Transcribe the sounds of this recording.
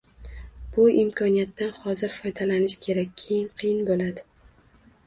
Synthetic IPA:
b̥ʊɪmkʰɒnijat̪ːanhɒzɪɾfɒjd̪alanɪʃkʲʰe̞ɾakʲːʰejɪnqʰijɪnbolad̪ɪ

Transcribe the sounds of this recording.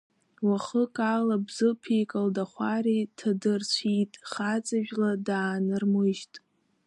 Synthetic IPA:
waχəkʼalabzɨpʰejkʼaldaχʷaɾitʰadɨrt͡ɕʷʰitʼχat͡sʼaʒᶣladaːnarmɨʒtʼ

